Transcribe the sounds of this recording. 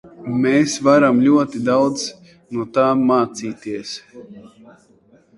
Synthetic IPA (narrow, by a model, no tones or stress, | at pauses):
meːsvaɾamlʲuɔt̪id̪awd̪z | nuɔt̪aːmːaːt̪siːt̪iɛs